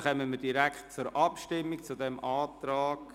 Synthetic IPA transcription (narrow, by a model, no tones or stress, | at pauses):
χœməməd̥iɾækχtt͡sʊɾʔɑpʃtɪmːikt͡sudɛmaːtɾaːɡ̥